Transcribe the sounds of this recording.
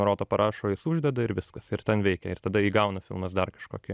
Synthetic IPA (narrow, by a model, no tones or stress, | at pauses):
ɾoːt̪oːpɐɾʔɑːʃoːjɪsʊʒʲd̪ʲɛd̪ɐɪɾʋʲɪskɐsɪɾt̪ʲɛnʋʲɛɪkʲɛɪɾt̪ɐd̪ɐiːɡɐʊnɐfʲɪ̰lˠmɐsd̪ɐrkɐʃkoːkʲɪ